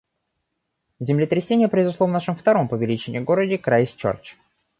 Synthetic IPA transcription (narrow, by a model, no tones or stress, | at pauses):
zʲɪmlʲɪt̪ɾʲɪsʲenʲɪjəpɾʲəɪzʊslˠovnaʂɨmft̪ɐɾo̞mpəvʲɪlʲit͡ɕɪnʲɪ̰jɡo̞ɾədʲɪkɾajɪsʲt͡ɕo̰rt͡ɕ